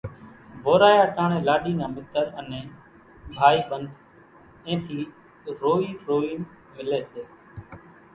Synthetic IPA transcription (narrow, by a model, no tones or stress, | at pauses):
bʱoːɾaːjaːkaːɳẽːlaːɗiːnãːmɪt̪əɾənẽː | bʱaːiːɓənd̪ʱ | ẽːt̪ʰiː | ɾoːiːɾoːiːn | mɪleːseː